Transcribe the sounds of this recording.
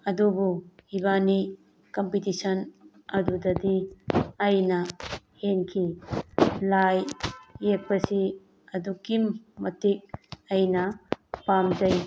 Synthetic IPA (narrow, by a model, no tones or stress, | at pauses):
ɐdubuhibani | kompitisɐn | ɐdudɐdiɐjnɐ | henkʰi | lajːek̚pɐsi | ɐdukimːɐtik̚ɐjnɐpamd͡ʒɐj